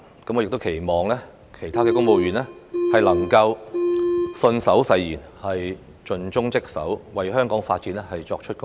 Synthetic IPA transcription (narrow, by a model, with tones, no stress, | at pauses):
kɐ˨˥mɔː˨˧jɪk̚t̪o˥wkʰe˨˩jmɔː˨ŋlɛː˥ | kʰe˨˩jt̪ʰaː˥kɛː˧kʊ˥ŋmo˨˧wjyː˨˩nlɛː˥hɐ˨jlɐ˨˩ŋkɐ˧w | sɵ˧nsɐ˨˥wsɐ˧jjiː˨˩n | hɐ˨j | t͡ʃɵ˧nt͡sʊ˥ŋt͡sɪ˥k̚sɐ̰˨˥wwɐ˨jɦœː˥ŋkɔː˨˥ŋfaː˧t̚t͡siː˨˥nlɛ˥hɐ˨jt͡sɔ̰ː˧k̚t͡ʃʰɵ˥t̚kʊ˥